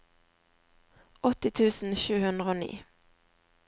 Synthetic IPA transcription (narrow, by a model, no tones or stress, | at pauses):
ʔɔt̪ɪt̪ʰʉːsn̩ʃʉːhʉnd̪ʁəoːnḭː